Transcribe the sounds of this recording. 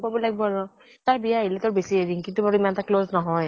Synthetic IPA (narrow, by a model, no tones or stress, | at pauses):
pɔbilajk̚bɔɹɔ | taɹbijaailɛtɔɹbesieɹiŋkintubaɹuimanɛtakloznɔɦɔj